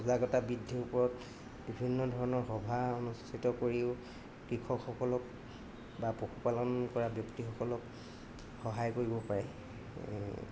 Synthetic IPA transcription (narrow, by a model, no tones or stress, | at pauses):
ɔzaɡɔtabidʱːiupɔɹɔt | bibʱinːɔdʱɔɹɔnɔɹxɔbʱaonustʰitɔkoɹiʊ | kɹikʰɔkxɔkɔlɔk̚ | bapoxupalɔnkɔɹabjɔktixɔkɔlɔk | xɔɦajkoɹibɔpaɹɛ̰